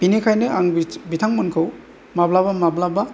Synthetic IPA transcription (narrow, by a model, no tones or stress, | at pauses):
b̥inekʰajnɯaŋbitʰaŋmunkʰɯw | mablabamablaba